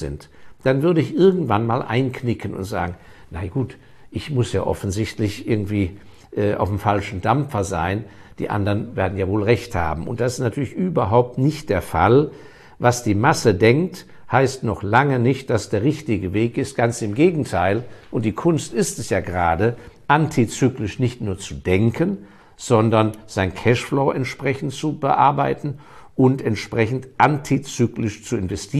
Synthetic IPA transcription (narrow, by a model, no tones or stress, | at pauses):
zɪ̰ntd̥anvʏɐɾəɪçʔɪɐɡŋ̩tv̥anmaːlʔa̰ɪnkʰnɪkʰənʊ̰ntz̥a̰ːɡŋ̩ | naɪɡ̥uːt | ʔɪçmʊsja̰ːʔɔ̰fn̩zɪçtlɪçʔɪɐɡŋ̩tv̥iː | ʔɛːʔa̰ʊfmfalʃn̩damp͡fɐza̰ɪn | d̥ḭːʔa̰ndɐnveːɐdn̩jaːvoːlʁɛçtha̰ːbm̩ʊ̰nt̚d̥asɪstnatʰyːɐlɪçʔyːbɐɦaʊp̚tnɪçt̚d̥eːɐfa̰l | vasd̥iːmasədɛŋkt | haɪstnɔχlaŋənɪçt̚d̥asd̥eːɐʁɪçtɪɡəveːkɪst̚ɡ̥ant͡sɪmɡeːɡŋ̩tʰaɪlʔʊnt̚d̥iːkʰʊnstɪstɛsjaːɡəʁaːdəʔantʰit͡syːklɪʃnɪçtnuːɐt͡sudɛŋkʰən | z̥ɔndɐnz̥aɪnkʰɛʃfloːʔɛntʃpʁ̥ɛçn̩tt͡subə̰ʔa̰ɐbaɪtn̩ | ʔʊntɛntʃpʁ̥ɛçn̩tʔantʰit͡syːklɪʃt͡suɪnvɛstʰiː